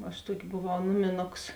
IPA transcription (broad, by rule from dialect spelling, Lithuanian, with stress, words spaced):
ɐʃ ˈtuɔkʲɪ boːˈʋɐʊ ˈnʊmʲɪˌnoːks